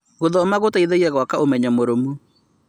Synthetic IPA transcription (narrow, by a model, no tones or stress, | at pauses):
ɣoðɔmaɣotaiðeiɛɣwakaomɛɲɛmoɾomu